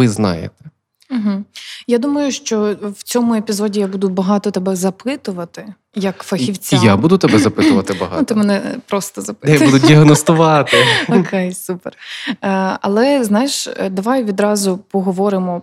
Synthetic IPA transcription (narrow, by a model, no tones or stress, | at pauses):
ɪznɑ̰jḛt̪ɛ̥ | m̩ɦ̩jad̪umɐjʊʃt͡ʃɔwt͡sʲɔmʊepʲizɔdʲijabud̪ʊbɐɦɑt̪ɔt̪ɛbɛzɐpʰɪt̪ʊʋɐt̪ɪ | jɐkfɐxiwt͡sʲjabud̪ʊt̪ɐbɛzɐpɪt̪ʊʋɐt̪ɪbɐɦɑ̰ut̪ɪmɛnɛpɾɔst̪ɔzɐpɪjabud̪ʊdʲiɐɦnɔst̪ʊʋɑt̪ɪɔkʰɛjsuper | ɐ̰lˠɛznɑjeʃd̪ɐʋɑjʋʲid̪ɾɑzʊpɔɦɔʋɔɾɪmɔ